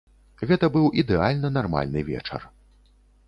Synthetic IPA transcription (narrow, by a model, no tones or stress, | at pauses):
ɣɛt̪ɐbɨwʔid̪ɛalʲnɐnarma̰lʲnɨvʲɛ̰t͡ʂɐ̰r